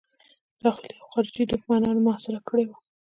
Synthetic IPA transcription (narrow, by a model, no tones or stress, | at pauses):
d̪̥ɑxliawxɑɾɪd͡ʒid̪ukmanɑnmʊasɪɾakəɽewa